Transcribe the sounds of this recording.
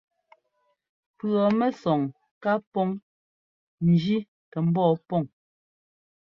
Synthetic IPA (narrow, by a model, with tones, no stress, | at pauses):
pɰɔ˨mɛ˦sɔ˨ŋ | ka˦pɔ˦ŋ | n̩˨d͡ʒi˦ | tɛ˨m̩˦bɔː˦˨pɔ˦˨ŋ